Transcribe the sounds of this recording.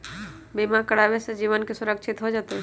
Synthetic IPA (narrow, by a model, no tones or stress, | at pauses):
bimakəɽaʋesed͡ʒiːʋənkesʊɾəkʃʰɪt̪ɦod͡ʒaːt̪eɦɛ̃